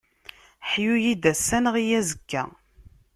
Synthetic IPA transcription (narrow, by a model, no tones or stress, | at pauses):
ħjujid̪æsːænəʁijæzəkːæ̰